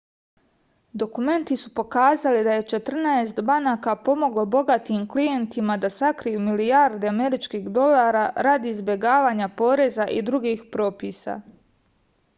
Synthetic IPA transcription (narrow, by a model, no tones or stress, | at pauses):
d̪o̞kume̞nt̪isupo̞kaːzalid̪aje̞t͡ʃe̞t̪r̩naest̪banaːkapo̞mo̞ɡlo̞bo̞ɡat̪iːmklije̞nt̪imad̪asakɾijumilijaɾd̪eame̞ɾit͡ʃkiːxd̪o̞laːɾaɾad̪izbje̞ɡaːʋaːɲapo̞ːɾe̞zaʔid̪ɾuɡiːxpɾo̞ːpiːsa̰